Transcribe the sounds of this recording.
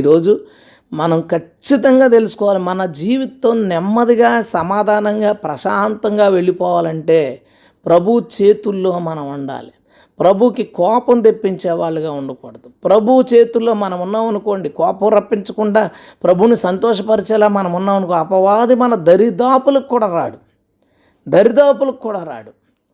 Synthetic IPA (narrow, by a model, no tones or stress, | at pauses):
ɾo̞ːd͡ʒu | mɐnɐmkɐt͡ʃːit̪ɐŋɡaːt̪e̞lusu̥kɔːʋaːlimɐnɐd͡ʒiːʋit̪ɐmnɛmːɐd̪iɡaːsɐmaːd̪ʱaːnɐŋɡaːpɾɐʃaːnt̪ɐŋɡaːʋe̞ɭipɔːʋaːlɐɳʈe̞ː | pɾɐbʱut͡ʃe̞ːt̪ulːo̞ːmɐnɐmuɳɖa̰ːli | pɾɐbʱukikɔːpɐmd̪epːiɲt͡ʃɛːʋaːɭːɐɡaːuɳɖɐkɔːɽɐd̪upɾɐbʱut͡ʃe̞ːt̪ulːo̞ːmɐnɐmunːaunuko̞ːɳɖikɔːpɐmɾɐpːiɲt͡ʃɐkuɳɖaː | pɾɐbʱunisɐnt̪ɔːʂ̬ɐpɐɾit͡ʃɛːlaːmɐnɐmunːaunukoɐpɐʋaːd̪imɐnɐd̪ɐɾid̪aːpulɐkːuːɽaːɾa̰ːɽu | d̪ɐɾid̪aːpulɐkːuːɽaːɾa̰ːɽu